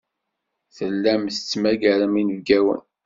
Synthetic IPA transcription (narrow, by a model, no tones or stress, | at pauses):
θəlːæmθət͡sːmæɡæɾəminəvɡæwə̰n